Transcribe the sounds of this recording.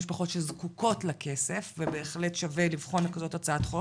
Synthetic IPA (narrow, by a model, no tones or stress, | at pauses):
ʃpaχo̞tʃelzkuko̞tlakʰe̞se̞fvebe̞ːχletʃavelivχo̞nakazo̞tat͡saatχo